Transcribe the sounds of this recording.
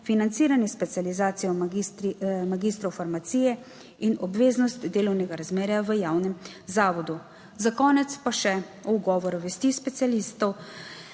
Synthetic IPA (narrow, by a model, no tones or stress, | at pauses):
finant̪siːɾanjɛspɛt̪sijalizaːt̪sijɔm | maɡiːst̪ɾɔwfaɾmat̪siːjɛ | inɔbʋeːznɔst̪d̪eːlɔwnɛɡaɾazmeːɾjaʋəjaːwnɛm | zaːʋɔd̪u | zakɔːnɛt̪spaʃɛ | ɔuɡɔːʋɔɾuʋɛst̪iːspɛt̪sialiːst̪ɔw